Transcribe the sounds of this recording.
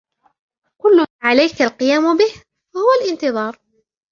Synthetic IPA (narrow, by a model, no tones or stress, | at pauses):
kʊlːʊʕalajkalqɨjaːmʊbɪh | fahʊwalʔɪnt̪ɨðˤɑːɾˤ